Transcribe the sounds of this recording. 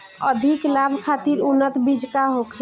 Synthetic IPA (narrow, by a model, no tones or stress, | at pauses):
ə̰d̪ʱiklabʱkʰat̪iɾunːət̪bid͡ʒkaɦokʰ